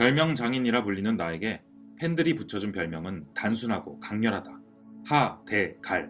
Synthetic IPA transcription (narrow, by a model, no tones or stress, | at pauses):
pjʌɭmjʌŋd͡ʑaŋiɲiɾapuʎːinɯnːae̞ɡe̞ | pʰendɯɾiput͡ɕʰʌd͡ʑunpjʌɭmjʌŋɯntansʰunɦaɡokaŋɲʌɾɦada | hate̞kaɭ